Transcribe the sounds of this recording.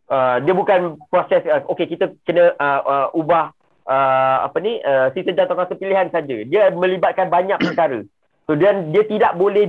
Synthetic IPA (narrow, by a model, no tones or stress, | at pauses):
ədiəbukanpɾɔsɛsəʔokekit̪əkənə̃ʔəʔəʔubah | əa̰pəniʔəsisəd͡ʒat̪akasəpiliɦansad͡ʒədiəmə̃libat̪̚kanbaɲãʔ̚pəɾkaɾə | sodiandiət̪idaʔ̚bolɛh